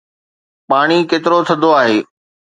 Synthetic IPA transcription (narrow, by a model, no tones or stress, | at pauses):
paːɽ̃ikeːt̪ɪɾot̪ʰɐd̪oaːɦeː